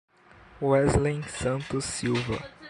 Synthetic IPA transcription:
wɛzlẽj̃sɐ̃nt̪ʊsiwvɐ̰

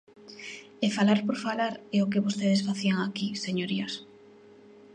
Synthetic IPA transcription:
efalaɾpoɾfalaɾɛʊk̬eβost̪eð̞esfaθiaŋakiseɲoɾias

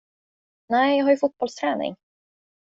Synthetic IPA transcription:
næɪjɑːɡɦaɾjɵfʊt̪̚b̥ɔlst̪ʰɾɛːnɪ̰ŋ

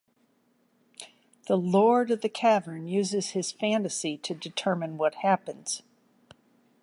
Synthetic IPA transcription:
ðəlɔɹɾʌvðɨkʰævə̃˞njʉzɨz̥ɨz̥fæ̃ntɨsiɾɨdɨtʰɜ˞mɨ̃nwʌt̚hæpɨ̃nz̥

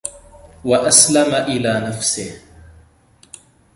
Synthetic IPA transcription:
waʔaslamaʔɪlaːnafsɪh

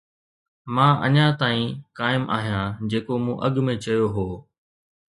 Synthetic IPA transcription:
mãːʔə̰ɲãːt̪aːĩːkaːɪmʔa̰ːɦijãːd͡ʑeːkomũːʔɐɠmẽt͡ɕɐjoɦoː

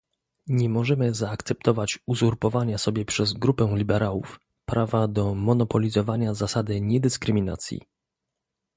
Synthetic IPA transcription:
ɲɛmɔʐɛmɘzaːkt̪sɛp̚t̪ɔvat͡ɕuzuɾpɔvaɲasɔbʲjɛpʂɛzɡɾupɛ̃lʲibɛɾawṵf | pɾʔavad̪ɔmɔnɔpɔlʲizɔvaɲazasad̪ɘɲɛd̪ɘskɾɘmʲina̰t̪sʲjḭ

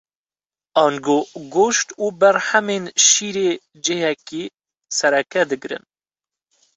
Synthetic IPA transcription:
ɑːnɡoːɡoːʃt̪uːbɛɾhɛmeːnʃiːɾeː | d͡ʒeːhɛkiː | sɛɾɛkɛd̪ɨɡɾɨ̰n

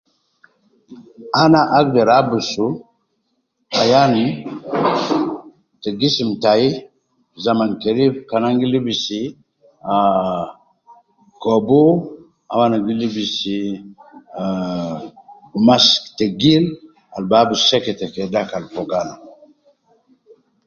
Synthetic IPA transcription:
anaʔaɡdeɾabusu | ajan | teɡisimtaji | zamankeɾifkanaŋɡilibisi | a | kɔbo | a̰wanaɡilibisi | masteɡil | a̰lbabuseketekedakalpoɡana

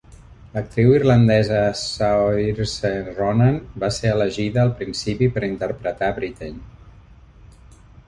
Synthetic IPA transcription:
lək̚t̪ɾiwirlənd̪ɛzəsaiɾseronanbaseələʒiðəːlˠpɾinsipipəɾint̪əɾpɾət̪aβɾit̪en

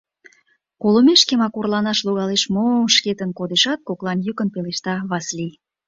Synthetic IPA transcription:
kolomeʃkemɑkorlɑnɑʃloɣɑleʃmoʃket̪ənkod̪eʃɑt̪̚koklɑnjykənpeleʃt̪ɑβɑslij

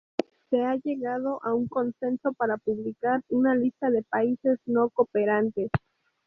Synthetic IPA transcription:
se̞aʝe̞ɣað̞o̞ʔauŋko̞nse̞nso̞paɾapuβlikaɾunalist̪aðe̞paise̞sno̞kopeɾant̪e̞s

